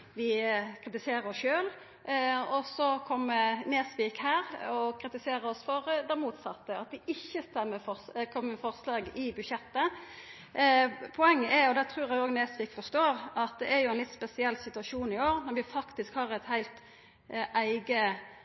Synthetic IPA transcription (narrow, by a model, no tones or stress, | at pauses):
ʋɪkʰɾɪt̪ɪseːɾəɾɔsʃøːl | ɔsɔkʰɔmːəneːsʋiːkhæːɾɔkʰɾɪt̪ɪseːɾəɔsfɔɾd̪ɛmuːt̪sɑt̪ːəɑt̪̚d̪ɪɪçːəst̪ɛmːəfɔkʰɔmːəmɛfɔʁslɑːɡɪbʉʃɛt̪ːə | pʰɔɛŋːəɛjʊd̪æt̪ʰɾʉːɾæɪoːɡneːsʋiːkfɔɾst̪oːɾɑt̪̚d̪ɛʔæɾjʊæɛnlɪt̪ːspɛsɪɛlːsɪt̪ʉɑʂuːnɪoːɾnɔɾʋɪfɑkt̪ɪskhɑːɾɛɪt̪hæɪlt̪ | ʔæɪɡə